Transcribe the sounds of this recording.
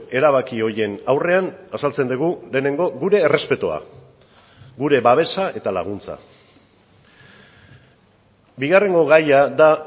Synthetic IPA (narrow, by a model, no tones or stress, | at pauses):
e̞ɾaβakio̞ɾje̞nawre̞anasalt͡se̞nd̪uɣ̞ule̞ːne̞ŋɡo̞ɣuɾe̞ːre̞spe̞t̪ua̰ | ɡuɾe̞βaβ̞e̞sae̞t̪ala̰ɣ̞unt͡sa̰ | biɣare̞ŋɡo̞ɣajaða